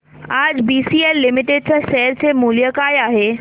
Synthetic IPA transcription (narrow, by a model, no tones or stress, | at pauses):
aːd͡ʑbiːsiːelːɪmɪʈeɖ̚t͡ɕaʃɛɦɾt͡ɕʰemulijəkaːjaːɦeː